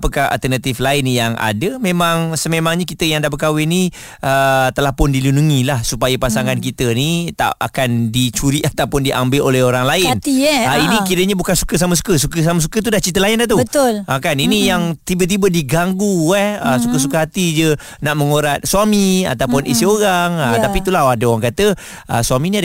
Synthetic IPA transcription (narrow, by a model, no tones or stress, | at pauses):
pəkaha̰lt̪ənat̪iflaɪnjaŋa̰dəmemaŋsəmemaŋɲakit̪əjaŋdabəkawɪni | ʔət̪əlahpʊndilunuŋilahsupajapasaŋankit̪ənit̪a̰ʔa̰kandit͡ʃuɾiʔat̪awpʊndiʔambɪlʔolɛɦoɾaŋlaɪniainikiɾəɲabukansu̥kəs̬aməs̬u̥kəsukəs̬amas̬ukət̪udaht͡ʃit̪əlaɪndaht̪̬ubət̪ʊlakaninijaŋt̪ibət̪̬ibədiɡaŋɡuɛhəsukəs̬ukəɦat̪id͡ʒə | naʔməŋoɾat̪̚swamia̰t̪awpʊnʔisioɾaŋət̪apit̪ulaɦadəoɾaŋkat̪ə | ʔə̰swaminia